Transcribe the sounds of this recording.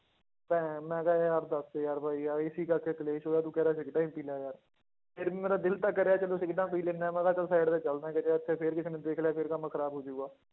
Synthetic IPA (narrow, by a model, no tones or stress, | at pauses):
pɛ̃ːmɛ̃ːkajaːɾd̪əseːjaːɾbʱaːiːaːɪsiːkəɾkeːt̪əleːʃoːaːt̪ũːkɛːɾaːsɪkʈaːiːmpiːlaːjaːɾ | pʰɪɾ̃meːɾaːd̪ɪlt̪aːkːəɾeaːt͡ʃəloːsɪkʈãːpiːleːnamɛ̃ːkaːt͡ʃəlsaːɪɖt̪eːt͡ʃəlnaːkət͡ʃeɪt̪ʰːeːpʰɪɾkɪseːneːd̪eːkʰleaːpʰɪɾkəmakʰəɾaːbɦoːd͡ʒuːɡaː